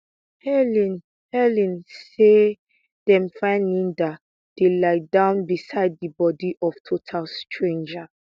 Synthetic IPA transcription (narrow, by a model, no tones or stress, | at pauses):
hɛlĩn | hɛlĩnse | d̥ɛ̃mfãɪ̃ndĩndat | d̥elaɪdãʊ̃nbisaɪd̚dibɔdiʔɔftʰotʰalstʰɹẽnd͡ʒa